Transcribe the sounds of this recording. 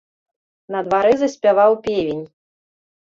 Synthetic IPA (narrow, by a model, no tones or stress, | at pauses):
nɐd̪vaɾɨzɐsʲpʲavawpʲevʲenʲ